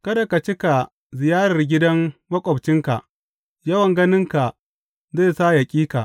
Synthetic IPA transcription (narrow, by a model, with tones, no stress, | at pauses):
kɐ˦da˨ka˨t͡ʃɪ˦ka˨ | zɪ˨jaː˦ɽɐ˨rɡʲɪ˦dɐ˦ŋmɐ˦kʷʼɔ˨bt͡ʃɪ˦ŋka̰˨ʔ | jɐ˦wɐ˨ŋɡɐ˦nɪ˦ŋka˨ | zeː˦˨saː˦ja˨kʲʼiː˦ka˨ʔ